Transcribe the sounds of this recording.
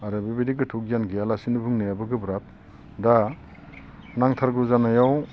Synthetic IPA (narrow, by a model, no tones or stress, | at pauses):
aɾɯbibedikɡɯtʰuk̚ijanɡialasinɯbʱɯŋneabɯɡɯbɾap̚ | da | naŋtʰaɾɡuzanajaw